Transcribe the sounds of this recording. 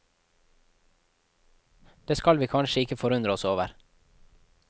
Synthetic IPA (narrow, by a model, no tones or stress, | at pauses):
d̪̥eːskɑlʋiːkʰɑnʃəɪkəfɔɾʉnd̪ɾəɔsoːʋəɾ